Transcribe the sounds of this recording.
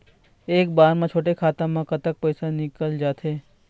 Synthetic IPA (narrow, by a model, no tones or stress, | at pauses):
eːk̚baːɾmẽt͡ʃʰoːʈekʰaːt̪ãmãkɐt̪ək̚pɛjsanɪkəld͡ʒaːt̪ʰeː